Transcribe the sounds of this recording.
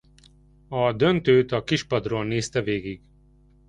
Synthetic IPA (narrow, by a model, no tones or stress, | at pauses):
ɒd̪ø̞nt̪øːt̪ɒkiʃpɒd̪roːlneːst̪ɛveːɡiɡ